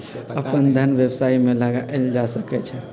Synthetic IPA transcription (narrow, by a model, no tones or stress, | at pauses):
əpənd̪ʱənʋebsaimelaɡaʔeld͡ʒasəkɛt͡ʃʰɛ